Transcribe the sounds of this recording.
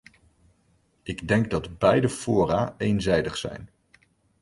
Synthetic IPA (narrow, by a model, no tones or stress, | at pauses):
ɪɡdɛŋɡ̚dɑdbɛjdəfʊːraːejnzɛjdəχsɛ̰jn